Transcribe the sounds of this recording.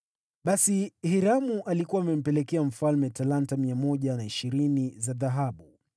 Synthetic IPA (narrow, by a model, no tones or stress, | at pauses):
ɓasihiɾamuʔalikuwaːmɛm̩pɛlɛkɛam̩falmɛtalantamiamɔʄanaiʃiɾinizaðaɦaɓu